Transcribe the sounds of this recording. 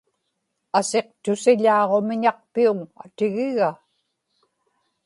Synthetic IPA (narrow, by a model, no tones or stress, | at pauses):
ase̞q̚t̪ʊsɪʎɑːʁo̞mɪɲɑq̚piuŋa̰t̪ɪɣɪɣa